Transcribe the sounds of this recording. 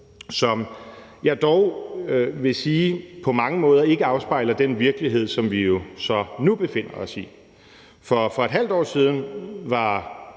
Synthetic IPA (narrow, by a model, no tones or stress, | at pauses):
sɒ̽m | jɑ̈ɪd̥ɒʊ | ʋe̝siːpʰɒ̽mɑ̈ŋəmɔ̽ːðˠɐe̝ɡ̥əɑ̈ʊsb̥ɑ̈ɪ̰lɐd̥enʋiɐɡ̥əliɦe̝ð̞̰ˠsɒ̽mʋijo̝sɒ̽nub̥e̝fe̝n̰ɐɒ̽si | fɒ̽fɒ̽e̝d̥ɦæl̰d̥ɒ̰ːsiːð̞ˠn̩ʋɑ̈